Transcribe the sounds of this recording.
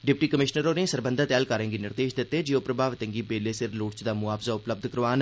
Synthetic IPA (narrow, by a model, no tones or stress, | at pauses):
ɖɪpʈiːkəmɪʃnəɾoːnẽsəɾbə̃nd̪ʱət̪ɛːlkaːɾẽːŋɡinɪɾd̪eːʃd̪ɪt̪ːeːd͡ʒiopɾəbʱaːʋt̪ə̃ŋɡibeːlesɪɾluːʈt͡ʃd̪aːmʊaːfzaːʊpləb̚d̪ʱkəɾʋaːn